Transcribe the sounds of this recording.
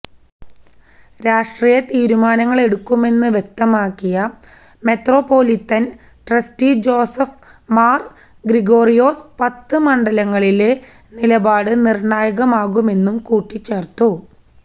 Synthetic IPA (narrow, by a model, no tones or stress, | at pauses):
ɾaːʂʈriːjɐt̪iːɾumaːnɐŋːɐɭeɽukːume̞nːɨʋjek̚t̪ɐmaːkːijɐ | me̞t̪ro̞ːpːo̞ːlit̪ːɐn | ʈrɐstid͡ʑo̞ːsɐf | maːr | ɡriɣo̞ːrijo̞ːspɐt̪ːɨmɐɳɖɐlɐŋːɐɭile̞ | nilɐbaːɽɨnirɳaːjɐɣɐmaːɣume̞nːumkuːʈːit͡ɕːe̞ːrt̪ːu